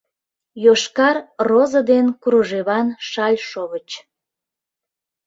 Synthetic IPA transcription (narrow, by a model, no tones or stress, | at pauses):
joʃkɑrrozəd̪enkuɾuʒeβɑnʃɑlʲʃoβət͡ɕ